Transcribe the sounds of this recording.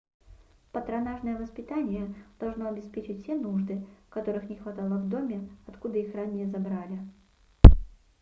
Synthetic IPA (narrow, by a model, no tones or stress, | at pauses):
pət̪ɾɐnaʐnəjəvəspʲɪt̪anʲɪjəd̪̥ɐlˠʐno̞ɐbʲɪspʲet͡ɕɪtʲfʲsʲenuʐd̪ɨkɐt̪o̞ɾɨxnʲɪxvɐt̪alˠəvd̪o̞mʲɪɐt̪kud̪əixranʲːɪjəzɐbɾalʲɪ